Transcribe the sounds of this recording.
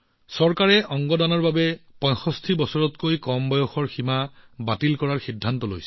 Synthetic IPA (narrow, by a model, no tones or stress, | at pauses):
sɔɹkaɹɛʔɔŋɡɔdanɔɹbabɛpɔj̃xɔstʰibɔsɔɹɔtkojkɔmbɔjɔxɔɹximabatilkɔɹaɹxidʱːantɔlo̰jsɛ̥